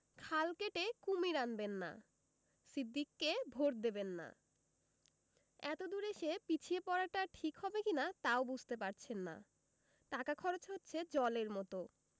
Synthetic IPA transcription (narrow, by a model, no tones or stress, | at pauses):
kʰalkeʈekumiɾanbenːa̰ | sid̪ːikːebʱoɾ̚d̪ebenːa̰ | ɛt̪od̪uɾeʃepit͡ɕʰiepɔɾaʈaʈʰikɦɔbekinat̪aobud͡ʑʱt̪epaɾt͡ɕʰenːa̰ | ʈakakʰɔɾot͡ɕɦotːɕʰed͡ʑɔleɾmɔt̪o